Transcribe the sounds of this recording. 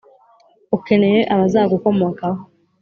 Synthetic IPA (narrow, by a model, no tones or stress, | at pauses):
uke̞ne̞jeʔaβazaːɡuko̞mokaho